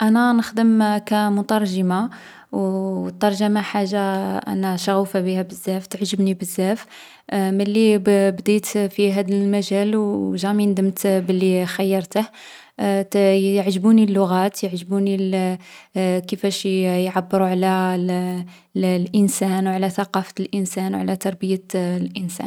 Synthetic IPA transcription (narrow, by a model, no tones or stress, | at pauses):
ʔænænəxd̪əmkæmʊt̪ˤɑɾˤʒəma | wt̪ːɑɾˤʒəmaħaʒːaʔæ̰næʃɑɣufabihæbəzːæft̪ʕʒəbnibəzːæf | məlːibd̪it̪fiɦæd̪əlmæʒælwʒæmind̪əmt̪bəlːixæjːɑɾˤt̪əh | jəʕʒəbunilːʊɣæt̪jəʕʒəbuni | kəfæʃjʕabːəɾuʕalæ | lʔənsænwʕlæθɑqɑfəlʔənsænwʕlæt̪ɑɾˤbəjəlʔənsæ̰n